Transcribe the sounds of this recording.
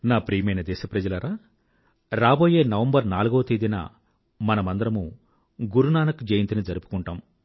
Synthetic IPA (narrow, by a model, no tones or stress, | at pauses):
naːpɾiːmɐjnɐd̪ɛːʃɐpɾɐd͡ʒɐlɐɾaː | ɾaːboːjeːnɐʋɐmbɐɾnaːluɡoːt̪id̪inɐ̰ | mɐnɐmɐnd̪ɐɾɐmu | ɡuɾunaːnɐkud͡ʒejint̪inid͡ʒɐɾupu̥kuɳʈaːm